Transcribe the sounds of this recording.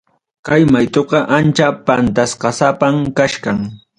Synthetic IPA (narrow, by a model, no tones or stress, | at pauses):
kajmajt̪oqɑʔant͡ʃapant̪asqɑsapamkaʃkaŋ